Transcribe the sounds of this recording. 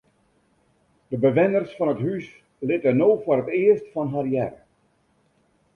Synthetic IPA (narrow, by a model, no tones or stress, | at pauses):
d̥əbəʋɪnərsfɑnətɦys | lɪtənowfʊəɾətɪərstfɑnɦarjɛrə